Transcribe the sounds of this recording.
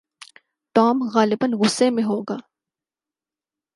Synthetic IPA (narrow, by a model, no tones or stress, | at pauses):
ʈɔːmɣaːlɪbənɣʊsːemẽɦoːɡaː